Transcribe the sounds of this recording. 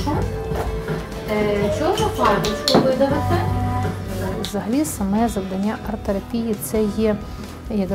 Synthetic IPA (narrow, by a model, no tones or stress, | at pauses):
t͡ʃɔɔzɐpad̪ɪsʲkɔʋɪd̪ɐʋɐt̪ɪ | wzɐɦɐlʲisɐmɛzɐwd̪ɐnʲːaʔɐrt̪eɾɐpʲijit̪sɛjɛ | jɐɡ̪